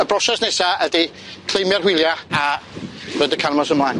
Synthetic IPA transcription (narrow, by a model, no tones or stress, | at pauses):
əbrɔʃasnɛsaədi | kʰl̥ˠejmjarhwɪlˠjaavəːdəkʰanmɔsəmlaːjn